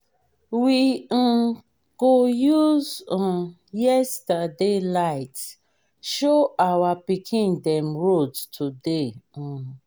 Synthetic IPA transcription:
wĩ | ɡ̥ojuzɔ̃ | jɛstadelaɪt | ʃoʔawapikʰĩndɛ̃mɹodtʰudẽ

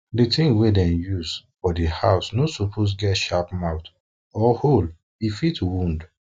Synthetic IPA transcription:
ditĩŋwedɛ̃njuzfɔdihaʊsnosɔpʰos̬ɡɛtʃapmaʊt | ɔhol | ifitwũnd

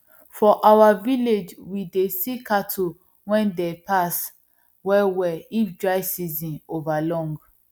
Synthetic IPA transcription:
fɔʔawaviled͡ʒwidesikʰatʰu | wɛ̃ndepʰas | wɛwɛifdɹaɪsizĩnovalɔ̃ŋɡ

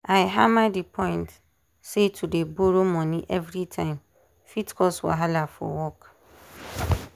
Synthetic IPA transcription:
aɪɦamãdipʰɔ̃ɪ̃nt | setʰudeboɾomɔ̃nĩʔɛvɾitʰãɪ̃m | fitkʰɔswɔ̰ɦalafɔ̰wɔk

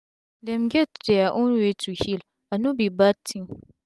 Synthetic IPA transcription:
dɛ̃mɡɛtdɛaʔɔ̃nwetʰuhil | anubibatʰːĩŋ

